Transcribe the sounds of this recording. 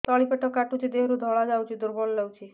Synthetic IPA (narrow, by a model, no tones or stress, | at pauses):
t̪ɔɭipeʈɔkːaʈut͡ʃʰid̪eɦɾud̪ʱɔɭad͡ʒawt͡ʃʰid̪uɾbɔllewt͡ʃʰi